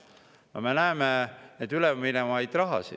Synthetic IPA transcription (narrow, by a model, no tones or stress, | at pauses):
ɑ̰menæemened̪yleminemɑjd̪rɑɦɑ̰sḭ̥